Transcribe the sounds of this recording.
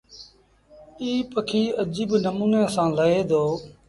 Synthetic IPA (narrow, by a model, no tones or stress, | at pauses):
iːpəkʰiːəd͡ʒiːbnəmuːnaːsãːləɦeːd̪ʱoː